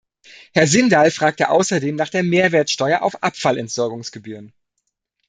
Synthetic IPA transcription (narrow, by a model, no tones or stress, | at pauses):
hɛɐzɪndalfʁ̥aːk̚təʔa̰ʊsɐdeːmnaːχd̥eːɐmeːɐveːɐtsʃtɔʏɐʔa̰ʊfʔapfalɛntz̥ɔɐɡʊŋsɡ̥əbyːʁ̞ən